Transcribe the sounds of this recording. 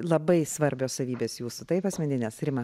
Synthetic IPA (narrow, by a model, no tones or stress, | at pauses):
lˠɐbɐɪsʋɐɾʲbʲoːssɐʋʲiːbʲeːsjuːsʊt̪ɐɪpɐsʲmʲɛnd̪ʲɪnʲɛsɾʲɪmɐ